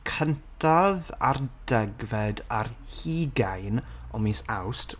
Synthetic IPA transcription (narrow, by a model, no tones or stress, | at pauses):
kʰəntʰava̰rd̥ɛɡvɛdarhiːɡajnɔmisawstʰ